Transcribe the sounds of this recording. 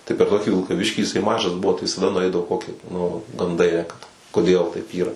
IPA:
tɐɪ pʲɛr ˈtoːkʲɪ ʋʲɪlˠkɐˈʋʲɪʃʲkʲiː jɪˈsɐɪ ˈmɑːʒɐs ˈbʊʋoː tɐɪ ʋʲɪsɐˈdɐ nʊˈɐɪdɐʋoː ˈkoːkʲɪ nʊ ɡɐnˈdɐɪ ˈeːjɛ kɐt koːˈdʲeːlˠ tɐɪp ˈiːrɐ

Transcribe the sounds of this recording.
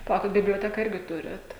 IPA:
pɐˈlˠɐʊkʲɪt bʲɪbʲlʲoːˈtʲæːkɐ ˈɪrʲɡʲɪ ˈtʊrʲɛt

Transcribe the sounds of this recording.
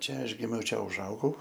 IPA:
ˈt͡ʃʲɛ ˈɐʃ ˈɡʲɪmʲɛʊ ˈt͡ʃʲɛ ʊʒˈɐʊɡɐʊ

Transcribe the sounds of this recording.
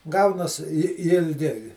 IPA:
ˈɡɐʊnɐs ɪ ɪlʲˈɡʲɪ

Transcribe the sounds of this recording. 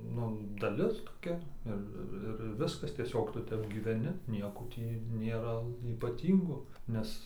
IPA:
ˈnʊ dɐˈlʲɪs toːˈkʲɛ ˈɪr ɪr ɪr ˈʋʲɪskɐs tʲiɛˈsʲoːk ˈtʊ ˈtʲɛp ɡʲiːʋʲɛˈnʲɪ ˈnʲiɛkoː ˈtʲiː nʲeːˈrɐ iːpɐˈtʲiːŋɡoː ˈnʲɛs

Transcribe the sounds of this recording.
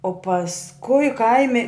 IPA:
oː pɐsˈkʊɪ ˈkɐɪmʲɪ

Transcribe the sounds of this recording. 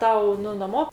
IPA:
ˈtɐʊ ˈnʊ nɐˈmoː

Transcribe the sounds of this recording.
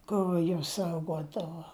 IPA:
ˈkʊr juɔs ˈsɐʊɡoːdɐʋoː

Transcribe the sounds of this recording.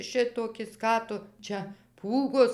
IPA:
ˈʃʲɪtoːkʲɪs ˈkɑː tʊ ˈt͡ʃʲɛ ˈpuːɡoːs

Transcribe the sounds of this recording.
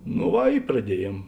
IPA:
noː ˈʋɐ ɪ prɐˈdʲiɛˌjiɛm

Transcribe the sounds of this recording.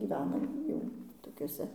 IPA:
ɡʲiːˈʋʲæːnɐ ˈjɛʊ toːˈkʲuɔsʲɛ

